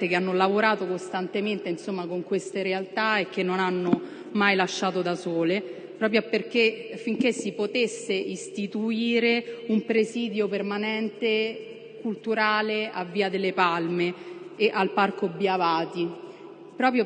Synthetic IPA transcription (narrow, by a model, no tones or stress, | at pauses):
t̪ekeanːolavoɾaːt̪okost̪ant̪ement̪einsomːakoŋkwest̪eɾealt̪aek̟ːenːonanːo | majlaʃːaːt̪od̪asoːle | pɾɔːpɾjoperk̟efiŋk̟esːipot̪esːeist̪it̪uiːɾeumpɾesiːd̪jopermanɛnt̪e | kult̪uɾaːleavːiːad̪elːepalmeːʔalparkobjavaːt̪i | pɾɔːpɾjo